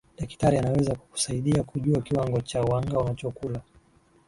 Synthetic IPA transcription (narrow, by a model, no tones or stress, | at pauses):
ɗɛki̥taɾianawɛzaku̥ku̥saiɗiakuʄuakiwaŋɡɔt͡ʃawaŋɡaunat͡ʃɔkula